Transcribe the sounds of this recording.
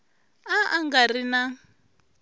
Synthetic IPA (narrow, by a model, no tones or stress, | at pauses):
aʔaŋɡaɾina